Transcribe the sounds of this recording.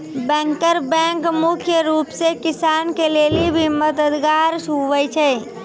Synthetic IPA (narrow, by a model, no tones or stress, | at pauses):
bɛ̃ːŋkəɾbɛ̃ŋkmʊkʰjəɾuːpsekɪsankeleːlibʱiməd̪əd̪ɡaːɾsuʋɛt͡ʃʰɛ